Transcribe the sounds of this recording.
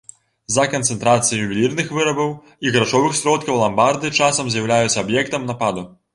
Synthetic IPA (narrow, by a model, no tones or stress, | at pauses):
zɐkɐnt̪sɛnt̪ɾat̪sɨjijubʲilʲirnɨxvɨɾɐbɐw | iɣɾat͡ʂɔvɨxsʲɾɔt̪̚kɐwlˠambard̪ɨt͡ʂasɐmzʲjawlʲajut͡s̪ʲsʲːɐbjɛkt̪ɐmnapad̪u